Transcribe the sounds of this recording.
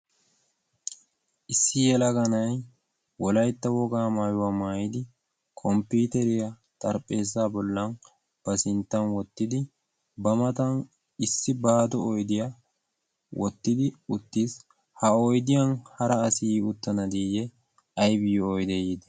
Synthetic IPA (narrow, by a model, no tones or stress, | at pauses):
ʔɪsːɪjɛlɐɡɐnɐj | wɔlɐjt̪ːɐwɔɡaːmaːjʊwamaːjɪd̪ɪ | kʰʼɔmpuːt̪ɛɾɪjɐ | t̪ʼɐɾpʼːe̞ːs̬ːaːbɔlːɐn | b̥ɐsɪnt̪ːɐnwɔt̪ːɪd̪ɪ | bɐmɐt̪ɐn | ɪsːɪbaːd̪ɔɔjd̪ɪja | wʔɔt̪ːɪd̪ɪʊt̪ːiːs | hɐɔjd̪ɪjɐnhɐɾɐːsɪjiʊt̪ːɐnɐd̪iːjɛ | ɐjbɪjɔɔjd̪ɛjid̪ɛ